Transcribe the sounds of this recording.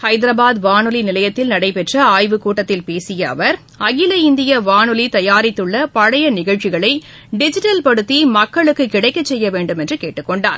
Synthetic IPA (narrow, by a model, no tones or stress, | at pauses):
hɐɪd̪ɪɾɐbaːðʋaːnɯlinɪlɐjɐt̪ːɪlnɐɽɐɪpɛʈrɐaːjʋɯkuːʈːɐt̪ːɪlpeːsɪjɐɐ̰ʋɐɾ | ɐɣɪlɐɪnd̪ɪjɐʋaːnɯlit̪ɐjaːɾɪt̪ːɯɭːɐpɐɻɐjɐnɪɣɐɭt͡ʃɪɣɐɭɐɪ | ɖɪd͡ʒɪʈɐlpɐɽɯt̪ːimɐkːɐɭɯkːɯkɪɽɐɪkːɐt͡ʃsɛjːɐʋeːɳɖɯmɛndrɯkeːʈːɯkːɔɳɖa̰ːɾ